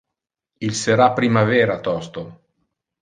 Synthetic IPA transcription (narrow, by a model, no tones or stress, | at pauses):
ilseɾapɾimavɛːɾat̪ɔst̪o